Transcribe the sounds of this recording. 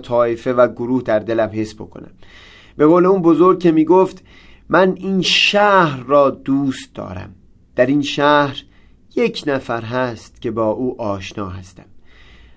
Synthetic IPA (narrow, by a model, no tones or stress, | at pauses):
t̪ʰɒːefe̞væɡoɾuːhd̪æɾd̪e̞læmhe̞sbo̞̰kʰo̞̰næ̰m | be̞ɣoːle̞uːnbozoɾ̚kcʰe̞miːɡoːft̪ | mæniːnʃæːhɾːɒːd̪uːst̪̚d̪ɒ̰ːɾæ̰m | d̪̥æɾinʃæːhɾ | jecʰnæfæɾɦæst̪cʲʰe̞bɒːʔuːʔɒːʃnɒːɦæst̪æm